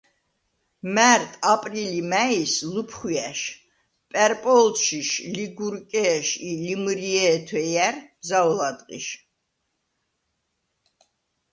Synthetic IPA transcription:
mæɾt̪ʼapʼɾilimæislupʰχwiæʃ | pʼɛɾpʼɔlʃiʃliɡuɾkʼɛːʃilimɾiɛːt̪ʰwɛjæɾmzaɔlad̪qʼḭʃ

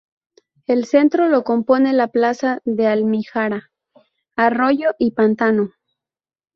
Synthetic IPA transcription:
e̞lse̞nt̪ɾo̞lo̞ko̞mpo̞ne̞laplasaðe̞almixaɾaː | ro̞ʝoʔipant̪ano

